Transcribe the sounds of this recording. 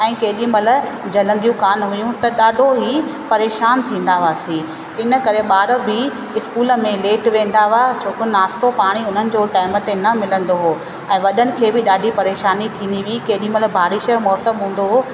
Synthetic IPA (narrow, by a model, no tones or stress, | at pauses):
ɛ̃ːkɐɦɪɗĩmɐl̆d͡ʑɐlə̃nd̪ijũkaːnɦʊjũt̪ɐɗaːɖʱoɦipɐɾeːʃaːnt̪ʰĩːn̆d̪aʋaːsĩː | ɪnə̆kɐɾeɓaːɾəbɪ | ɪskuːlə̆mẽleːʈʋẽːn̆d̪aʋat͡ɕʰoːkʊnaːst̪opaːɽ̃iʊn̤ənɪ̆d͡ʑoːʈaːɪmət̪enɐmɪlə̃nd̪oɦoː | ɛ̃ːʋɐɗənɪ̆kʰeːbɪɗaːɖʱipɐɾeːʃaːnit̪ʰĩːnd̪iʋikɐɦɗĩmɐləbʱaːɾɪʃə̆mɔːsəmɦũːn̆d̪oɦoː